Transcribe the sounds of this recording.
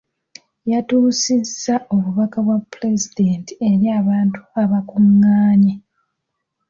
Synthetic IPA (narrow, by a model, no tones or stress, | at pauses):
jatuːsizːaʔo̞βuβakaβwapːɾe̞zidentieɾjaːβaːntu̥aβakuŋːaːɲe